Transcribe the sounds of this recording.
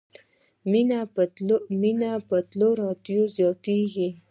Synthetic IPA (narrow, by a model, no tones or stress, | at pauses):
minaominapət̪loɾɑt̪jozjɑt̪eɡi